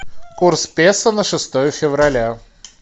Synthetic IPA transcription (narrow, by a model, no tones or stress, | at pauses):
kurspʲesənəʂɨst̪ojəfʲɪvɾɐlʲa